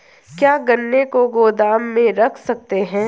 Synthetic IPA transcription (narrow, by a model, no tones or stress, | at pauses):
kjaːɡɐnːekoɡoːd̪aːmːẽɾɐkʰsɐk̚t̪eɦɛ̃ː